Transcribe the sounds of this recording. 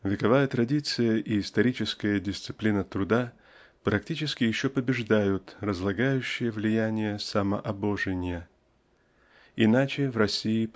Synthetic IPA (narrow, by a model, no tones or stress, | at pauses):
vʲɪkɐvajət̪ɾɐdʲit̪sɨjəʔiːst̪ɐɾʲit͡ɕɪskəjədʲɪst̪sɨ̥plʲinət̪ɾʊd̪a | pɾɐktʲit͡ɕɪskʲɪjɪɕːopəbʲɪʐd̪ajʊt̪rəzlˠɐɡajʉɕːɪjəvlʲɪjænʲɪjəsaməʔɐbo̞ʐɨnʲɪjə | ɪnat͡ɕɪvrɐsʲiː